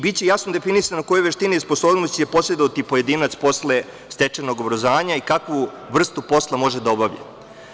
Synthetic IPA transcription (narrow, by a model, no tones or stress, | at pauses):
bit̪t͡ɕejasnod̪efinisanoko̞joʋe̞ʃt̪inijesposoːbnost̪jepo̞sʎed̪oʋat̪ipoje̞d̪iːnat̪spo̞sle̞ | st̪e̞t͡ʂeno̞ɡobɾozaːɲaikakʋu | ʋr̩st̪upo̞slˠamo̞ʒed̪aobaʋʎḛ